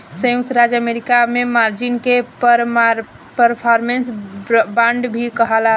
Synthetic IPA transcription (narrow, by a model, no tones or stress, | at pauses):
sə̃juk̚t̪ɾad͡ʒəmeɾikamemaɾd͡ʒinkepəɾ | pəɾpʰɔɾmensbãɳɖbʱikəɦala